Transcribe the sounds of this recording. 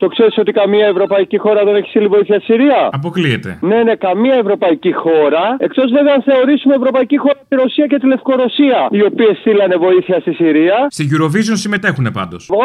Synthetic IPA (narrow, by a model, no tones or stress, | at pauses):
t̪o̞kse̞ɾiso̞t̪ikɐmiɐe̞vɾo̞pɐicixo̞ɾɐðe̞ne̞çi̥st̪ilivo̞iθiɐst̪i̥siɾiɐɐp̬o̞kliet̪e̞̰ne̞ne̞kɐmiɐe̞vɾo̞pɐicixo̞ɾɐe̞kt̪o̞zve̞veɐnθe̞o̞ɾisumevɾo̞pɐicixo̞ɾɐt̪iɾo̞siɐce̞t̪ile̞fko̞ɾo̞siɐio̞pie̞sθilɐne̞vo̞iθiɐst̪isiɾiɐst̪iʝuɾo̞vizonsime̞t̪e̞xunepɐ̰nd̪o̞s